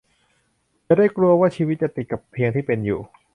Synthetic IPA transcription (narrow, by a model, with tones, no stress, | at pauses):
t͡ɕa˨˩da˥˩jklu˧ɐwaː˥˩t͡ɕʰiː˧wi˦˥t̪̚t͡ɕa˨˩t̪i˨˩t̪̚ka˨˩pʰːi˧əŋt̪ʰiː˥˩pe˧njṵː˨˩